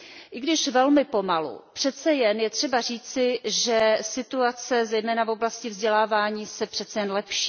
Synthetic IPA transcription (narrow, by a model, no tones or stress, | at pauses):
ʔɪɡdɪʃvɛlmɪpo̞malṵpr̥ɛt̪t͡sɛjɛnjɛt̪r̝̥ɛbar̝iːt͡sɪʒɛsɪt̪uat͡sɛzɛjmɛːnavo̞blascɪvzɟɛlaːvaːɲiːsɛpr̥ɛt̪t͡sɛjɛnlɛpʃiː